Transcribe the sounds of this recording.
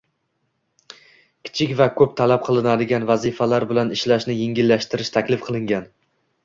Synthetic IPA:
kʲʰɪ̥t͡ʃʰɪkʲvakʰɵp̚t̪ʰalap̚qʰɨlˠɪnad̪ɪɡʲanvazɪfalaɾbɪlanɪʃlaʃnɪjeŋʲɪlːaʃt̪ɪɾɪʃt̪ʰakʲlɪfqʰɨlˠɪŋɡʲan

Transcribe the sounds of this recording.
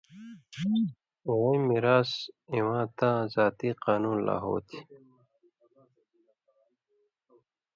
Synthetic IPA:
wejmiɾaːsĩwãːt̪ãːzaːt̪iqaːnuːnla̰ːɦo̰ːt̪ʰi̥

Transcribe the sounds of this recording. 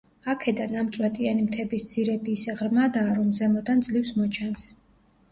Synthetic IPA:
akʰɛd̪anamt̪sʼwɛt̪ʼianimt̪ʰɛbisd̪z̥iɾɛbiːsɛʁɾmad̪aːɾɔmzɛmɔd̪and̪zlifsmɔt͡ʃʰɛns

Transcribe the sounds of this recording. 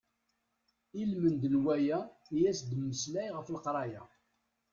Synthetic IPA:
ilmənd̪nwæjæjæsd̪mːəslæjʁəflqɾˤɑjæ

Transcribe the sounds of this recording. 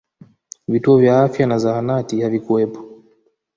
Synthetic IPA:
vituɔvjaafjanazaanatihavikuɛpɔ̥

